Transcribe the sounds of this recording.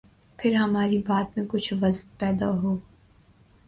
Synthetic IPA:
pʰɪɾɦɐmaːɾibaːt̪mẽkʊt͡ʃʰʋɐznpɛːd̪aɦoː

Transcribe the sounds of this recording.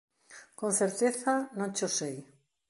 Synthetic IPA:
kõn̟θeɾt̪eθanõnt͡ʃosej

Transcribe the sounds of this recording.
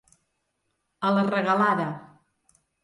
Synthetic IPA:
ələrəɣəlaðə

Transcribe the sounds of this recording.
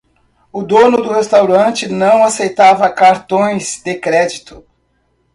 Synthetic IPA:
ʊd̪õnʊd̪ʊhest̪awɾɐ̃nt͡ʃɪnɐ̃w̃asejt̪avɐkaɾt̪õj̃zd̪ekɾɛd͡ʒit̪ʊ̥

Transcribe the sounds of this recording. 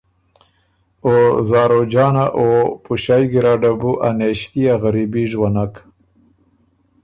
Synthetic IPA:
ozɑːɾod͡ʒɑːnaʔopuʃajɡiɾɑɖabuʔaneʃt̪iaɣaɾibiʐwanak

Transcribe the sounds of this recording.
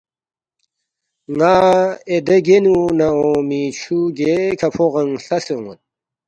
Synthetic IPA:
ŋaːed̪eɡenunaomit͡ɕʰuɡekʰɐpʰoʁɐŋɬɐsoŋon

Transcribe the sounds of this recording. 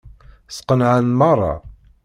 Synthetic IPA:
sqənʕanmɑrˤːɑ̰

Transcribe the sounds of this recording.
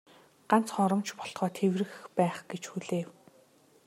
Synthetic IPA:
ɢ̥an̥t͡sχɔɾɞ̆mt͡ɕpɔ̥ɮχɔːt̪ʰewrɘ̆xpæːχɡ̥et͡ɕxuɮeːw

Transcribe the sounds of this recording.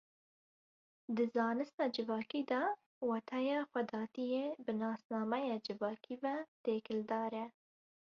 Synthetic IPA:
d̪əzɑːnɨst̪ɑd͡ʒɪvɑːkid̪ɑ | wat̪ʰajɑxwad̪ɑːt̪ijebənɑːsnɑːmajɑd͡ʒɪvɑːkʰivat̪eːkɪld̪ɑːɾa

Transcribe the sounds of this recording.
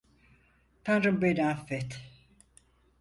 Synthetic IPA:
t̪ʰanɾɯmbenafːɛt̪

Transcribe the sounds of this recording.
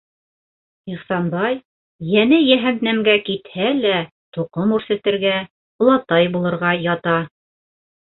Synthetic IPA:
iχsɑnbɑj | jænɘjæɦænt̪næmɡækit̪hælæ | t̪uqomʉɾsɘ̆t̪ɘ̆ɾɡæ | ŏlˠɑt̪ɑjbulˠɤ̆ɾʁɑjɑt̪ɑ

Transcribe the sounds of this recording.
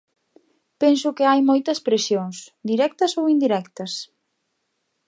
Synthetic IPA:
pensʊkɪajmojt̪ɐspɾesjoŋsd̪iɾɛk̚t̪ɐsowind̪iɾɛkt̪ɐs

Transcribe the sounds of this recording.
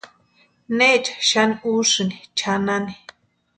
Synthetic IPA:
net͡ʃḁʃaniuʂɨnit͡ʃʰanani

